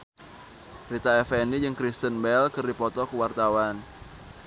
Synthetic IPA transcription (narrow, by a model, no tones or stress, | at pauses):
rit̪aɛfɛnid͡ʒɨŋkɾist̪ənbɛlkɨrdipɔt̪ɔkəwart̪awan